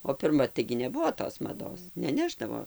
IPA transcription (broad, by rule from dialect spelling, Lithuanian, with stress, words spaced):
oː pʲɪrˈmɐ tɐɪɡʲɪ nʲɛˈbʊʋoː toːs mɐˈdoːs nʲɛˈnʲæːʒdɐʋoː